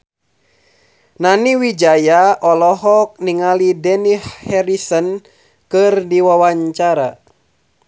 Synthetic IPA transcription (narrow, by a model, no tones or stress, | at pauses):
naniwid͡ʒajaʔɔlɔɦɔk̚niŋalidɛnihhɛɾisɔn | kɨrdiwawaɲt͡ʃaɾa